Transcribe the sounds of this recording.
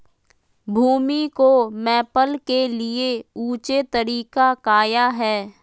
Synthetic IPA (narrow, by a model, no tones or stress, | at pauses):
bʱuːmikomɛːpəlkelieuːt͡ʃet̪əɾiːkakaːjaɦɛː